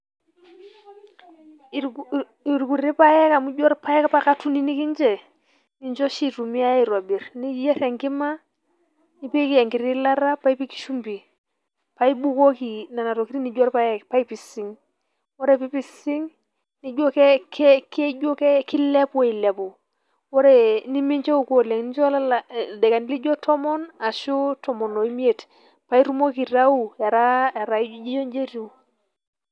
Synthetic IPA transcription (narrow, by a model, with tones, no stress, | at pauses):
i˨ɾku˨ɾi˦pa˦je˦ka˨mu˦ɟo˦ɾpa˦jɛ˦ka˦pa˦ka˦tu˦ni˦ni˦ki˦ɲd͡ʒɛ˨ | ni˦ɲd͡ʒo˦ʃi˦tu˨mi˦a˦i˨ɾo˨bi˨ɾni˦d͡ʒje˦ɾe˨ŋki˦ma˦ | ni˦pe˦ki˦ja˨ŋki˨ɾi˦la˦ɾa˦pa˦i˦pi˦ki̥˦ʃu˦mbi˨ | pa˦i˦bu˦ko˦ki˨na˨na˨ɾo˨ki˦ɾi˦ni˨ɟo˦ɾpa˦jɛ˦pa˦i˦pi˨si˨˦ŋ | wɔ˦ɾe˦˨pi˦pi˦si˦ŋ | ni˦d͡ʒo˦kɛ˦kke˦d͡ʒo˦kɛ˦ki˦lɛ˦pwe˨i˨la˨pu˨ | wɔ˦ɾe˨ni˦mi˦ɲt͡ʃe˦u˦˨ko˨le˨ŋni˦t͡ʃɔ˦la˦ldɛ˨ka˨ni˦li˦d͡ʒɔ˦tʰɔ˦mɔ˦na˨ʃu˦tɔ˨mɔ˨no˨i˦mi˦e˨t | pa˦i˦ɾu˦mo˦ki˨ɾa˦u˦ja˨ɾa˦a˨ɾa˨˦d͡ʒe˦jɔ˦ɲd͡ʒe˦ɾu˨